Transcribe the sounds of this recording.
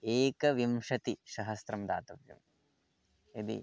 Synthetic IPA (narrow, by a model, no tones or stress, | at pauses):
eːkɐʋimʂɐt̪iʃɐɦɐst̪ɾɐmd̪aːt̪ɐʋjɐ̰m | id̪ḭ